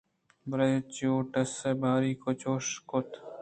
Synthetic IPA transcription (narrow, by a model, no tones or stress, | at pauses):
bɾɐjt͡ʃjoːʈɐsebʱaːɾiːkot͡ʃoːʃkot̪ʰ